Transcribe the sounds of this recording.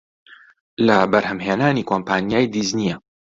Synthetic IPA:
lɐbɐɾhɐmheːnaːniːkʰoːmpʰaːnijaːjd̪iznijɛ

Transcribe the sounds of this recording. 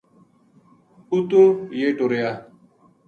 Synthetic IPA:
ut̪ojeʈoɾeja

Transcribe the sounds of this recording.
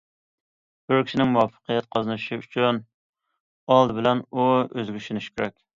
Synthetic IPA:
bʊɾkʲi̥ʃinɪŋmuwɑfːə̥qijɛt̪̚qʰɑzɨnɨʃiy̰t͡ʃʰyn | ɑlˠd̪ɨbɪlɛnuøzɡʲyʃynyʃkʲʰeɾɛk̚ʲ

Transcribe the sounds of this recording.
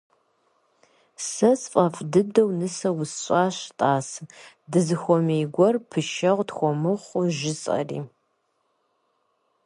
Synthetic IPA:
sɐsfʼɐfdɨdɐwnɨsɐwʊsɕʷʼaːɕtʼaːsɨ | dɨzɨxʷɔmeːɡʷɔrpʰɨʃɐʁʷtxʷɔmɨχʷʊʒɪt͡sʼɐ̰rḭː

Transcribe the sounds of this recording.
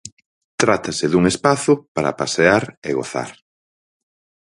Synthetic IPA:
t̪ɾat̪asɪðuŋespaθʊpaɾa̰paseaɾeɣo̰θa̰ɾ

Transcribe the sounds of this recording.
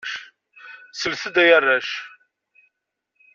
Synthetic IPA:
ʃ | səlθəd̪æjərˤːæʃ

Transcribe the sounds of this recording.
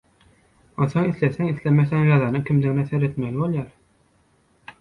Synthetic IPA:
onθo̞ŋiθleθeŋiθlemeθeŋjɑðɑnɯŋkʰʲimd̪iŋnæθeɾe̞t̪melʲibo̞lˠjɑɾ

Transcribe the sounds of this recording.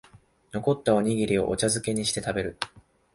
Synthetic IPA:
no̞ko̞t̪ːao̞ɲ̟iɡʲiɾʲio̞̰ʔo̰t͡ɕazɨke̞ɲ̟iɕi̥t̪e̞t̪abe̞ɾɯ̟

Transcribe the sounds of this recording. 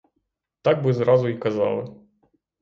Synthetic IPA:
t̪aɡ̚bɨzɾazʊikɐza̰lˠɨ

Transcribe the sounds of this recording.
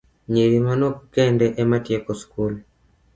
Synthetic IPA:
ɲeɾimanokːɛndɛʔɛmatjekoskul

